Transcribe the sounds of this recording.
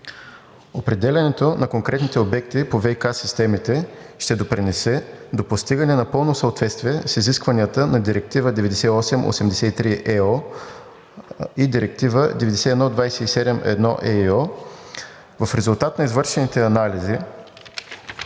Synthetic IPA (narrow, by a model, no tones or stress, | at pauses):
opɾɛd̪ɛlʲɐnɛt̪onɐkoŋkɾɛt̪nit̪ɛobɛkt̪ipovɛjkasist̪ɛmit̪ɛʃt̪ɛd̪opɾinɛsɛd̪opost̪iɡənɛnɐpɤlˠnosəot̪vɛt̪st̪viɛsiziskvɐniət̪ənɐd̪iɾɛk̚t̪ivəd̪ɛvɛd̪ɛsɛiɔsɛmʔo̰sɛmd̪ɛsɛt̪it̪ɾiʔɛɔ | id̪iɾɛk̚t̪ivəd̪ɛvɛd̪ɛsɛɛd̪nɔd̪vajsɛisɛd̪ɛmʔɛ̰d̪nɔ̰ʔɛiɔ | vɐfɾɛzulˠt̪at̪nɐizvɤɾʃɛnit̪ɛɐnalizi